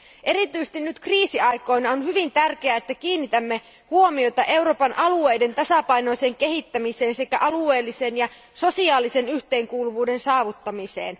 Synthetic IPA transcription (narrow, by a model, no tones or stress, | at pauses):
ʔe̞ɾit̪yjse̥t̪inːyt̪kriːsiɑjko̞jnɑonhyʋint̪ærk̟e̞æet̪ːækiːnːit̪æmːe̞ | huo̞mio̞t̪ɑʔe̞wɾo̞ːpɑnʔɑlue̞jde̞nt̪ɑsɑpɑjno̞jse̞ːŋke̞ɦit̪ːæmise̞ːnse̞kæʔɑlue̞ːlːise̞ːnjɑ | so̞siɑːlise̞nyçt̪e̞ːŋkuːluʋuːde̞nsɑːʋut̪ːɑmisḛːn